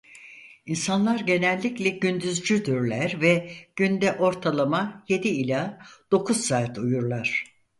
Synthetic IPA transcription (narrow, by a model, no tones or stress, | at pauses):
insanlˠaɾɟe̞nælʲːiclʲɛɟynd̪yzd͡ʒyd̪yɾlʲæɾvɛɟ̥ynd̪ɛʔo̞ɾt̪ʰalˠamaje̞d̪iːlʲaːd̪̥o̞kʰuzsaːt̪ʰujuɾlˠaɾ̥